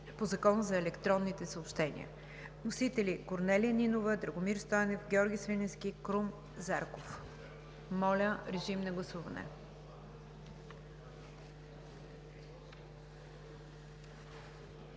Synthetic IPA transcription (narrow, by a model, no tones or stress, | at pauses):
pozɐkɔnzɐɛlɛkt̪ɾɔnːit̪ɛsəopʃt̪ɛnḭə̰ | nosit̪ɛlikoɾnɛlijənʲinovəd̪ɾɐɡomiɾst̪ɔjɐnɛfɡʲɛɔɾɡʲisvinɛnskʲikɾum | zaɾkof | mɔlʲəɾɛʒimnɐɡlˠɐsuvɐnɛ̰